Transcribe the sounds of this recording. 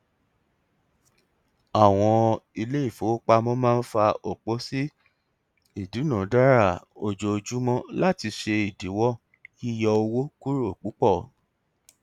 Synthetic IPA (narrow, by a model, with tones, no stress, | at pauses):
a˨w̃ɔ̃˧i˧le˦i˦˨fo˨˦k͡pa˧mɔ̃˦mãː˦˧n̩˦fa˧o˨k͡po˨˦si˦ | i˦˨du˨˦nã˨˦da˦ɾa˦˨o˨d͡ʒo˧d͡ʒu˦mɔ̃˦la˦ti˧ʃe˧i˨di˨˦wɔ˦ | ki˦jɔ˧o˧wo˦ku˦ɾo˦˨k͡pu˨˦k͡pɔ˦˨